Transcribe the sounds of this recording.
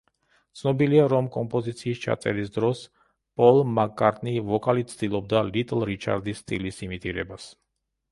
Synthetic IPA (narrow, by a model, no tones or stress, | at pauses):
t̪sʰnɔbiliaɾɔmkʼɔmpʼɔzit̪sʰiːst͡ʃʰa̰t̪sʼɛ̰ɾisd̪ɾɔs | pʼɔlˠmakʼːaɾt̪ʼnivɔkʼalit̪̚sʰd̪ilˠɔb̚d̪alit̪ʼlˠɾit͡ʃʰa̰ɾd̪isːt̪ʼilisimit̪ʼiɾɛbas